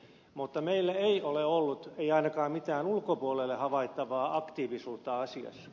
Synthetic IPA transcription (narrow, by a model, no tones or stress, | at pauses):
mut̪ːɑmeilːæeioleolːut̪eiɑinɑkɑːmit̪æːnulkopuolelːehɑʋɑit̪ːɑʋɑːʔɑkt̪iːʋisuːt̪ːɑɑsiɑ̰s